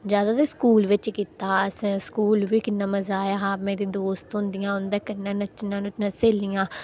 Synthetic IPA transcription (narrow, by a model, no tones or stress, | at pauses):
d͡ʒjaːd̪aːt̪eːskuːlʋɪt͡ʃkiːt̪aːsskuːlʋiːkɪnːãːməzaːjaːɦaːmeːɾiːd̪oːst̪ɦʊ̃nd̪ɪjãːʊnd̪ãːkɪnːãːnət͡ʃːnãːnnaseːlijãː